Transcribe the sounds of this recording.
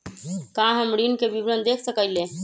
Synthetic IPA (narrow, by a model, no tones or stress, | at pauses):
kaɦəmɾinkebibɾənd̪ekʰsəkəjlẽ